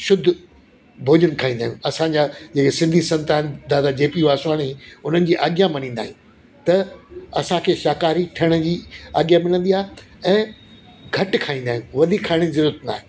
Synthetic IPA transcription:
ʃʊd̪ʱ | bʱoːd͡ʑənkʰaːĩːnd̪aːɦiũɐsãɲd͡ʑaːd͡ʑeːkesɪ̃nd̪ʱisɐ̃nt̪aːnd̪aːd̪ad͡ʑeːpiʋaːsaːɽ̃iʊnənɪ̆d͡ʑiːʔaːɠjãmɐnĩːn̆d̪aːɦijũː | t̪ɐɐsãkʰeːʃaːkaːɾiʈʰɐəɽ̃əd͡ʑiːa̰ːɠjãmɪlə̃nd̪iaːɦe | ɛ̃ː | ɡʱɐʈkʰaːĩːnd̪aːɦĩjũʋɐd̪ʱikʰaːɪɽ̃izɐɾuːɾət̪na̰ːɦe

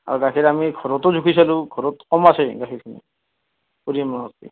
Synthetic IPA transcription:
a̰ɹɔɡakʰiɾamiɡʱɔɹɔtɔzʱukʰisalũɡʱɔɹɔtkɔmasɛɡakʰiɹkʰinḭ | puɾimanɔstḭ

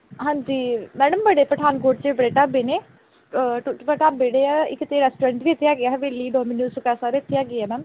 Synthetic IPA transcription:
ɦãːd͡ʒiːmɛːɖəmbəɽeːpɾəʈʰaːnkoːʈt͡ʃeːbəɾeːʈaːbeːneː | ʈːʋəʈaːbeːɽeːaɪkːt̪eːɾɛːsʈoːɾəɳʈʋiːɪt̪ʰːeːaːɡɪaːɦʋeːliːɖɔːminjuːsʊkaːsaːɾet̪ʰːeaːɡɪːɛːmɛːm

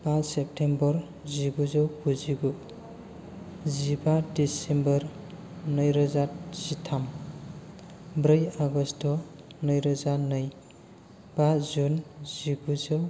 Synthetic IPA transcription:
b̥asep̚tʰembɔɾ | ziɡuzɔwkuziɡu | zibadisembɔɾ | nʌjɾʌzatz̥itʰam | bɾʌjaɡɔstɔ | nʌjɾʌzanʌj | b̥azunziɡuzɔw

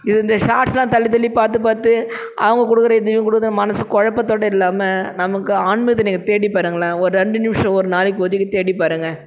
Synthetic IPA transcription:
ɪðɯɪnd̪ɐʂaːʈslãːt̪ɐlːɪt̪ɐlːipaːɾt̪ɯpaːɾt̪ɯ | ʔɐ̰ʋɐŋɡɐkʊɽɯkːɯɾɐɪðɯjʊ̃kʊɽɯkːɐt̪ːnɐmɐnɐsɯkɔɻɐpːɐt̪ːoːɽɐɪlːaːmɐnɐmɐkːɯaːɳmɐɐt̪ːɐniːŋɡɐt̪eːɽipːaːɾɯŋɡɐlaːɔɾɯɾɛɳɖɯnɪmʂɐ̃ɔɾɯnaːlɪkːoːðɪkːɯt̪eːɽipːaːɾɯŋɡɐ

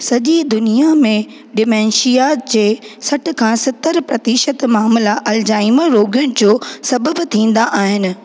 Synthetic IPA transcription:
sɐʄid̪ʊnijamẽ | ɖɪmɛ̃ːnʃijaːd͡ʑeːsɐʈʰɪkʰãːsɐt̪əɾpɾɐt̪iːʃət̪maːmlaʔɐld͡ʑaːiməɾoːɡjʊɽ̃ɪ̆d͡ʑoːsɐbəbt̪ʰĩːn̆d̪aʔaːɦɪnɪ̆

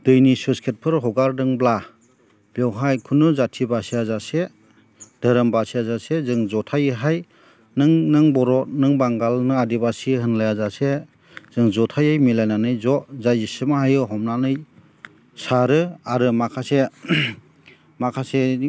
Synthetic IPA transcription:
d̥ɯjnisuskʰet̚pʰɯɾɦɔɡaɾdɯŋbla | bewɦajkʰunɯzatʰibasiazase | d̥əɾɯmbasiazasezɯŋzɔtʰajɦaj | nɯŋnɯŋbɔɾɔnɯŋbaŋɡalnɯadibasiɦɯnlajazase | z̥ɯŋzɔtʰajajmilajnanɯjzɔʔzajzisɯmaɦajɯɦɔmnanɯj | saɾɯaɾɯmakʰase | makʰase

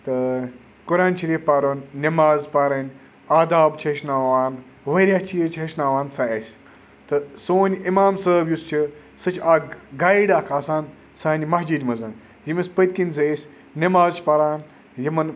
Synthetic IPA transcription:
t̪ɨ | kuɾaːnʃɐɾiːfpaːɾoːnːɐmaːzpaɾɐnʲ | aːd̪aːbt͡ʃʰeʃnaːʋaːn | ʋɐɾʲat͡ʃʰijt͡ʃʰeʃnaːʋaːnsɐɐsʲ | t̪ɨsoːnʲimaːmsəːbjust͡ʃʰi | sɨt͡ʃʰaɡaːiɖaːkʰaːsaːn | saːnʲimɐɦd͡ʒid̪ʲmɐzɐn | jimɐspət̪ʲkinʲzɐsʲ | nɐmaːzt͡ʃʰpaɾaːn | jimɐn

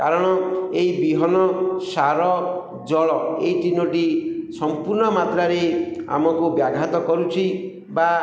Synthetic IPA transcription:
kaɾɔɽ̃ɔeibiɦɔnɔsaɾɔ | d͡ʒɔɭɔeiʈinoʈisɔmpuɾnɔmat̪ɾaɾea̰mɔkubjaɡʱat̪ɔkɔɾut͡ʃʰi | ba

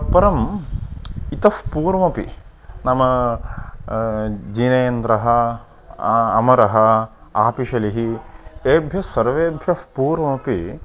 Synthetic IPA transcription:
pɐɾɐm | it̪ɐfpuːɾmɐpḭ | nɐmɐ | d͡ʒinɐjɐnt̪ɾɐɦɐ | ɐ̰mɐɾɐɦɐaːpiʃɐliɦieːbʱjɐsɐɾʋeːbʱjɐfpuːɾmɐpi

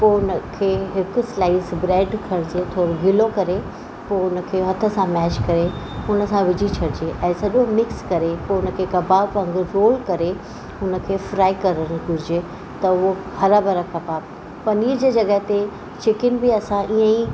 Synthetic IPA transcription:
poːʊnə̆kʰeːɦɪkʊ̆slaːisbɾeːɖkʰɐɽ̃d͡ʑeːt̪ʰoːɾɡʱɪlokɐɾe | poːʊnə̆kʰeːɦɐt̪ʰə̆sãmɛːt͡ɕkɐɾeʊnə̆sãʋɪd͡ʑʱit͡ɕʰɐɽɪd͡ʑeʔɛ̃ːsɐʄõmɪkskɐɾepoːʊnə̆kʰeːkɐbaːbɐ̃ŋɡɾoːlkɐɾe | ʊnə̆kʰeːfɾaːikɐɾəɽ̃ɪ̆ɡʱʊɾɪd͡ʑe | t̪ɐʊɦohɐɾabɐɾakɐbaːb̚ | pɐniːɾd͡ʑeːd͡ʑɐɡəɦt̪e | t͡ɕɪkɪnbiɐsãʔiːə̃i

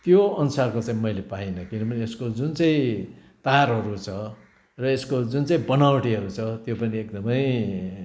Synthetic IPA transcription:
t̪joʌnusarkot͡saĩmʌjlepainʌkinʌbʌnieskod͡zunt͡saĩ | t̪arɦʌɾut͡sʰʌ | rʌeskod͡zunt͡saĩbʌnawʈiɦʌɾut͡sʰʌt̪jopʌniek̚d̪ʌmʌj

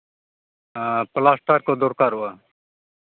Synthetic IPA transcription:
plaːsʈaːɾkoːd̪oːɾkaːɾʊaː

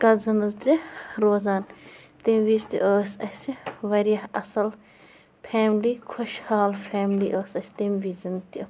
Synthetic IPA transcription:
kɐlzɐnɐzt̪iɾoːzaːn | t̪imʲʋit͡ʃt̪ḭʔəːsɐsiʋɐɾjɐhɐsɐl | pʰɛːmliːkʰoʃhaːlpʰeːmliːʔəːsɐsʰʲt̪imʋizɐnt̪i

